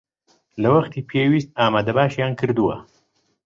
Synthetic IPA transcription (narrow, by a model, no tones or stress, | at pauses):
lawaxt̪ipʰjewist̪̚aːmad̪abaːʃjaːŋkiɾd̪uwa̰